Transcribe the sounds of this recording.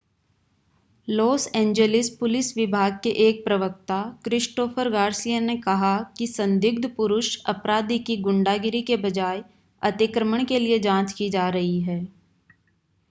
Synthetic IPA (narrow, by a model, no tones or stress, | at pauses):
loːsɛ̃ːɲd͡ʒəlɪspʊlɪsʋɪbʱaːɡ̚keʔeːk̚pɾɐʋək̚t̪akɾɪʃʈoːfʰəɾɡaːɾsijənekɐɦakisɐ̃nd̪jʊɡ̚d̪ʱpʊɾʊʃɐ̰pɾaːd̪ikiɡʊ̃ɳɖaːɡɪɾikebɐd͡ʒaːe | ɐt̪ɪkɾəməɽ̃kelied͡ʒãːt͡ʃkid͡ʒaːɾɐɦiɦɛː